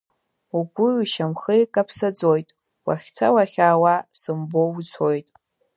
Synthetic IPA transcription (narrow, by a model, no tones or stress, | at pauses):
uɡʷʊɥʃamχɨjkʼapʰsad͡zojtʼ | wa̰χʲt͡sʰawaχʲaːwasɨmbowut͡sʷʰo̞jtʼ